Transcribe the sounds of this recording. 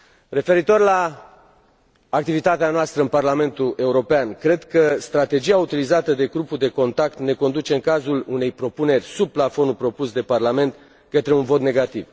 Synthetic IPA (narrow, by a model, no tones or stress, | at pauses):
re̞fe̞ɾit̪o̞rla | k̚t̪ivit̪at̪eanoast̪ɾəɨnparlame̞nt̪uʔe̞uɾo̞peankɾe̞d̪kəst̪ɾat̪e̞d͡ʒiaut̪ilizat̪əd̪e̞ɡɾupud̪e̞ko̞nt̪akt̪ne̞ko̞nd̪ut͡ʃe̞ɨŋkazulune̞jpɾo̞pune̞rʲsub̚plafo̞nupɾo̞pusd̪e̞parlame̞nt̪ | kət̪ɾeunvo̞t̪ne̞ɡat̪iv